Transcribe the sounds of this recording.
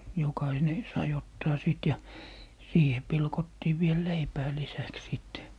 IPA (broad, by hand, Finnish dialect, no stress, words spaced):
jokɑine sɑi otːɑː sit jɑ siːhe pilkotːiː ʋiel leipæː lisæks siˑtːe